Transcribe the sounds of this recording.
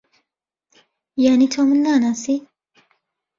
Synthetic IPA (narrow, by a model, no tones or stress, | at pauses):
janitʰamunːanasi